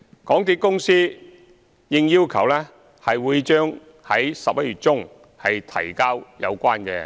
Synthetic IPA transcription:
kɔː˨˥ŋt̪iː˨˥kʊ˥ŋsiː˥ | jɪ˧ŋjiː˥wkʰɐ˨˩wlɛː˥ | hɐ˨jwuː˨˧jt͡ʃœː˥ŋ | hɐ˨˥jsɐ˨p̚jɐ˥t̚ɥyː˨˩t̚t͡ʃʊ˥ŋ | hɐ˨jt̪ʰɐ̰˨˩jkaː˥wjɐ̰˨˧wkʷaː˥nkɛ̰ː˧

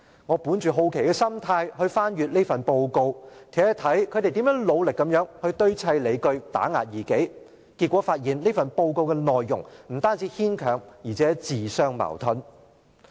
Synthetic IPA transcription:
ŋɔː˨˧puː˨˥nt͡ʃyː˨ɦo˧wkʰe˨˩jkɛː˧sɐ˥mt̪ʰaː˧jɦɵ˧ɥfaː˥nɥyː˨˧t̚le˥fɐ˨npo˧wko˧wt̪ʰɛː˨˥t̪ʰɐ˨˥jkʰɵ˨˧t̪e˨jt̪iː˨˥mjœː˨˥ŋlo˨˧wlɪ˨˩kːɐ˨˧˥mjœː˨˥ŋhɵ˧ɥt̪ɵ˥ɥt͡sʰɐ˧jle˨˧jkɵ˧ɥt̪a̰ː˨˥ŋa̰ː˨t̚jiː˨˩ke˨˥j | kiː˧t̚kʷɔː˨˧˥faː˧t̚jiː˨nle˥fɐ˨npo˧wko˧wkɛː˧nɔː˨jːʊ̰˨˩ŋm̩˨˩t̪aː˥nt͡siː˨˧hiː˥nkʰœː˨˩ŋjiː˨˩t͡sʰɛː˨˦˥t͡siː˨˩sœː˧˥ŋmɐ̰˨˩wt̪ʰɵ˨˧n

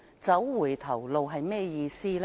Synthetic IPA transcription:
t͡sɐ˨˥wwuː˨˩jt̪ʰɐ˨˩wlo˨˧wɦɐ˨jmɛː˥˧jiː˨˧siː˥l

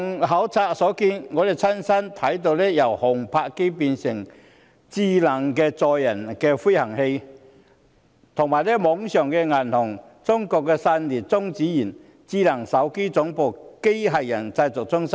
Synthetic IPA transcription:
ŋɦɐ˨˥wt͡sʰaː˧k̚sɔː˨˥kiː˧nŋɔː˨˧d̪e˨˩jt͡sʰɐ˥nsɐ˥nt̪ʰɐ˨˥jt̪̬o˧wlɛː˥jɐ˨˩whʊ˨˩ŋpʰaː˧kke˥jp̬iː˧nsɪ˨˩ŋ | t͡siː˧˥lɐ˨˩ŋkɛː˧t͡sɔː˨jːɐ˨˩nkɛː˧fu˥jhɐ˨˩ŋhe˧j | t̪ʰʊ˨˩ŋmaː˨˩jlɛː˥mɔː˨˥ŋsœː˨˩ŋkɛ˧ŋɐ˨˩nhʊ˨˩ŋ | t͡sʊ˥ŋkɔː˧kːɛː˧saː˧nliː˨˩t̚t͡sʊ˥ŋt͡siː˨˥jiː˨˩n | t͡siː˥lɐ˨˩ŋsɐ˨˥wke˥jt͡sʊ˨˥ŋpo˨˧wke˥jɦɐ˨jjɐ˨˩nt͡sɐ˧jt͡sʊ˨k̚t͡sʊ˥ŋsa˥

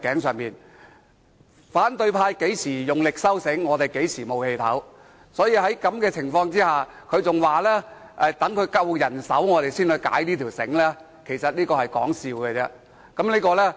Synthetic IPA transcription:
kɛː˨˥ŋsœː˨ŋpiː˨n | faː˨˥nt̪ɵ˧ɥpʰaː˧jke˨˥jsiː˨˩jʊ˨˩ŋlɪ˨k̚sɐ˥wsɪ˨˥ŋːɔː˨˧t̪e˨jke˨˥jsiː˨˩mo˨whe˧jt̪ʰɐ̰˨˥w | sɔː˨˥jiː˧hɐ˨˥jkɐ˨˥mkɛː˧t͡sʰɪ˨˩ŋfɔː˧ŋt͡siː˥haː˨ | kʰɵ˨˧ɥt͡sʊ˨ŋwaː˨˩lɛː˥ʔɛ˨˧t̪ɐ˨˥ŋkʰɵ˨˧ɥkɐ˥wjɐ˨˩nsɐ̰˨˥wŋɔː˨˧t̪e˨jsiː˥nhɵ˨˧ɥka̰ː˨˥jliː˥t̪ʰiː˨˩wsɪ̰˨˥ŋlɛː˥ | kʰe˨˩jsɐ˨t̚liː˥kɔː˧hɐ˨˩jkɔ̰ː˨˥ŋsiː˨˧wkɛ˧t͡sɛː˧ | kɐ˨˦˥mliː˥kɔː˧lɛː˥

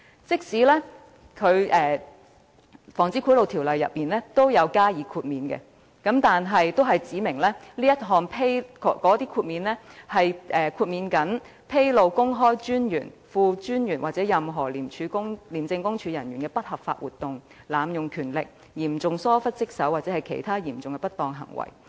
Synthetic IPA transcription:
t͡sɪ˥k̚siː˨˥lɛː˥ | kʰɵ˨˧ɥʔɛː˨˩ | fɔː˨˩ŋt͡siː˨˥kʰuː˨˥jlo˨wt̪ʰiː˨˩wlɐ˨jːɐ̰˨t̚miː˨nlɛː˥t̪o˥wjɐ˨˧wkaː˥jiː˨˧˥kʰuː˧t̚miː˨˧nkɛ̰˧ | kɐ˨˥mt̪aː˨nɦɐ˨jt̪o˥wɦɐ˨jt͡siː˨˥mɪ˨˩ŋlɛː˥liː˥jɐ˥t̚ɦɔː˨ŋpʰe˥jkɔ˨˥kɔː˨˥t̪iː˥kʰuː˧t̚miː˨˧nlɛː˥hɐ˨jʔɛː˨kʰuː˧t̚miː˨˧nkɐ˨˥n | pʰe˥jlo˨wkʊ˥ŋɦɔː˥jt͡ʃyː˥njy̰ː˨˩nfuː˧t͡ʃyː˥njyː˨˩nwaː˨t̚t͡sɛː˨˥jɐ˨mɦɔː˨˩liː˨˩mt͡ʃʰyː˨˧kʊ˥ŋliː˨˩mt͡sɪ˧ŋkʊ˥ŋt͡ʃʰyː˨˧jɐ˨˩njyː˨˩nkɛː˧pɐ˥t̚hɐ˨p̚fa̰ː˧t̚wuː˨t̪ːʊ˨ŋ | laː˨˧mjʊ˨ŋkʰyː˨˩nlɪ˨k̚ | jiː˨˩mt͡sʊ˨ŋsɔː˥fɐ˥t̚t͡sɪ˥k̚sɐ˨˥wːaː˨t̚t͡sɛː˨˥hɐ˨˩jkʰe˨˩jt̪ʰaː˥jiː˨˩mt͡sʊ˨ŋkɛ˧pɐ˥t̪ːɔː˧ŋɦɐ̰˨˩ŋwɐ̰˨˩j

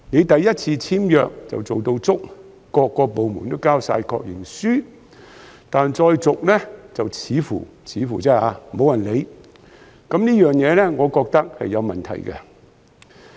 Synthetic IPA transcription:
ne˨˧jt̪ɐ˨jːɐ˥t̚t͡sʰiː˧t͡sʰiː˥mjœː˨k̚t͡sɐ̰˨wt͡so˨wt̪o˧wt͡sʊ˥k̚ː | ɔː˧kːɔː˧po˨wmuː˨˩nt̪o˥wkaː˥wsa̰ː˧jkʰɔ̰ː˧k̚jɪ̰˨˩ŋsyː˥ | t̪aː˨nt͡sɔː˧jt͡sʊ˨k̚lɛ˥t͡sɐ˨wt͡sʰiː˨˥fṵː˨˩t͡sʰiː˨˧˥fuː˨˩t͡sɛː˥aː˧mo˨˥wjɐ˨˩nle˨˧j | kɐ˨˥mniː˥jœː˨ŋjɛː˨˧lɛ˥ŋɔː˨˧kɔː˧k̚t̪ɐ˥k̚hɐ̰˨jːɐ˨˧wmɐ˨˩nt̪ʰɐ̰˨˩jkɛ˧

